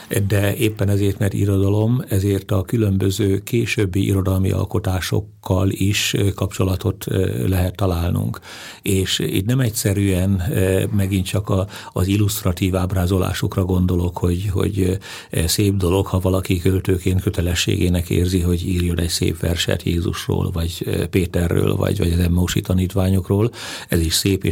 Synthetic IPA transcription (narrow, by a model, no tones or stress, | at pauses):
d̪ɛeːpːɛnɛzeːrt̪mɛrt̪ḭɾod̪ɒlo̞mɛzeːrt̪ɒkylø̞mbøzøːkeːʃøbːiʔḭɾo̞d̪ɒlmḭʔɒ̰lko̞t̪aːʃo̞̰kʰːɒliʃkɒpt͡ʃo̞lɒt̪o̞t̪lɛɦɛt̪ːɒlaːlnṵŋk | eːʃḭt̪nɛmɛcsɛɾyɛnmɛɡint̪t͡ʃɒkɒɒzilːust̪rɒt̪iːvaːbraːzo̞la̰ːʃo̞krɒɡo̞nd̪o̞lo̞kho̞ɟho̞̰ɟ | seːb̚d̪o̞lo̞khɒvɒlɒkikølt̪øːkeːnt̪kø̞t̪ɛlɛʃːḛːɡeːnɛkḛːrziɦo̞ɟiːrjo̞nɛcsḛːpʋɛ̰rʃɛ̰t̪jeːzuʃro̰ːlvɒɟpeːt̪ɛrːø̰ːlvɒ̰ɟʋɒ̰ɟɒzɛmːoːʃḭt̪ɒniːt̪ʋaːɲo̞kroːlɛziʃseːpeː